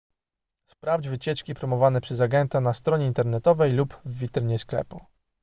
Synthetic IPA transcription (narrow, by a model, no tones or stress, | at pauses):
spɾavd͡ʑvɘt͡ɕɛt͡ʂkʲipɾɔmɔvanɛpʂɛzaɡɛnt̪anast̪ɾɔɲɛint̪ɛɾnɛt̪ɔvɛjlupvːʲit̪ɾɘɲɛsklɛ̰pu